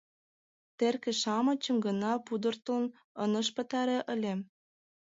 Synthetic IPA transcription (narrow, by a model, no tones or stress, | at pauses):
t̪erkĕʃɑmə̆t͡ɕə̆mɡə̆nɑpud̪ə̆rt̪ən | ɤnə̆ʃpə̆t̪ɑɾeʔə̆lʲem